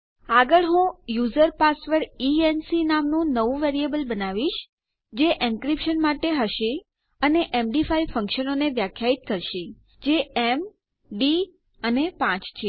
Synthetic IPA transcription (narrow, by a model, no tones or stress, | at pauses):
aɡəɭɦũjuzəɾpasʋəɾiensinamnũnəʋũʋeɾiebəlbənaʋiʃ | d͡ʒeʔĩnkɾipʃənmaʈeɦəʃi | əneʔemɖifaifə̃ŋkʃənoneʋjakʰjait̪̚kəɾʃi | d͡ʒeem | ɖi | ənepãt͡ʃt͡ʃʰe